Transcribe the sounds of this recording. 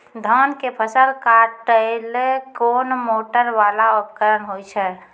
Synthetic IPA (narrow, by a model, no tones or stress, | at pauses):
d̪ʱənkepʰəsəlkaʈəɪlekoːnmoːʈəɾʋaːlaʊpkəɾənɦojt͡ʃʰɛ